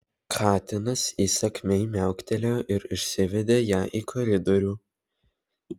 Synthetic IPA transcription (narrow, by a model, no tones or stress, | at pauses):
kʰɑːt̪ʲɪnɐsiːsɐkʲmʲɛɪmʲæˑʊkʲt̪ʲɛlʲoʔɪɾɪʃʲsʲɪʋʲɛd̪ʲeːjæːʔiːkʰɔɾʲɪd̪ɔɾʲuː